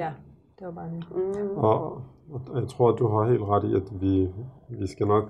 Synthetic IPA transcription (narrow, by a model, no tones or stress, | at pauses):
æ | d̥e̝ɐb̥ɑːdeɒ | jäɪt͡sʰʁo̝ɐ̰d̥uɦɑ̈he̝̰ːld̥ʁɑɾ̥iæd̥ʋiʋisɡ̥ænɒ̽ɡ̥